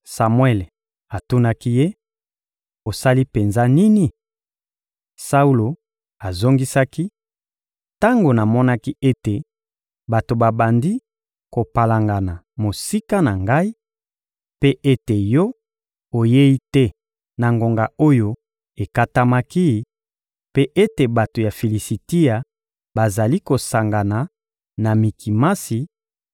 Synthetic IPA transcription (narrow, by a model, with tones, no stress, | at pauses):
sa˨mwɛ˦le˨ | a˨tu˦na˦ki˦je˦ | o˨sa˦li˦pe˨nza˦ni˦ni˦ | sa˦u˦lo˨ | a˨zo˦ŋɡi˦sa˦ki˦ | ta˦ŋɡo˨na˨mɔ˦na˦ki˦e˦te˨ | ba˨to˨ba˨ba˨ndi˦ | ko˨pa˨la˨ŋɡa˨na˨ | mo˨si˦ka˦na˨ŋɡa˦i˦ | pe˦ʔe˦te˨jɔ˦ | o˨je˦i˦tɛ˦ | na˨ŋɡo˨ŋɡa˨o˦jo˦ | e˨ka˦ta˦ma˦ki˦˨˦ | pe˦ʔe˦te˨ba˨to˨ja˨fi˨li˨si˨ti˦ja˨ | ba˨za˨li˦ko˨sa˨ŋɡa˨na˨ | na˨mi˨ki˨ma˦si˨